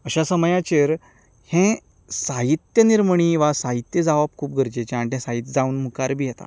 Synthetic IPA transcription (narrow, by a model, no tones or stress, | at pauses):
əɕasəmjãt͡ɕeɾ | hẽ | saɦit̪jəniɾməɳ̃iʋasaɦit̪jəd͡zaʋap̚kʰuːp̚ɡʱəɾd͡ʑet͡ɕeaɳt̪ɛ̃saɦit̪d͡zauːnmukaɾbʱiːjɛt̪a̰